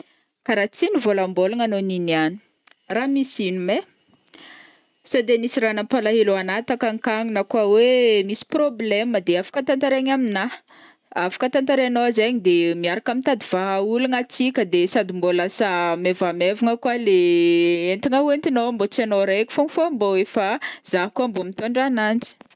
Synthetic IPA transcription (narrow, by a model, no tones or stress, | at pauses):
kaɾat͡sinivolambolaŋanoniniani̥ | ramisinume | sod̪enisiɾanəmpalaɦeluanat̪akaŋkaŋinəkwawemisi̥probleməd̪eafḁkant̪ant̪aɾeɲamina | afḁkənt̪ant̪aɾanoazeɲid̪emiaɾakamit̪ad̪iv̥aɦauluŋat͡sikʲəd̪esad̪imbolasamevamevuŋəkwaleent̪iŋawent̪inombot͡sanoɾekʲi̥foŋifoamboefazaɦkuambomit̪oɳɖ͡ʐanand͡zi̥